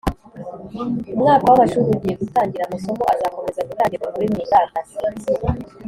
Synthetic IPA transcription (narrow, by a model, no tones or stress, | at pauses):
umŋaːkowaβaʃuːɾiuɟijeɡutaːɲɟiɾamuso̞ko̞ʔazaːko̞me̞zaɡutaːɲɟiɾamuɾimɲiːmbakazi